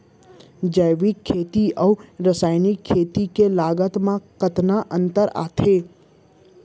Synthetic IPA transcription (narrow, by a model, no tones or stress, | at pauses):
d͡ʒəjʋikʰːet̪iʔəwɾəsaːjnikʰːet̪ikelaɡət̪mãkət̪naʔə̃nt̪əɾa̰t̪ʰe